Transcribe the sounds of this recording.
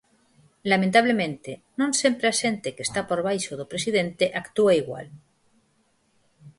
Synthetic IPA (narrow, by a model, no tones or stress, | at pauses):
lamẽnt̪aβ̞lemẽnt̪enõnse̞mpɾeaʃent̪ekest̪apoɾβ̞ajʃoðopɾesiðẽnt̪eʔakt̪uaiɣwa̰l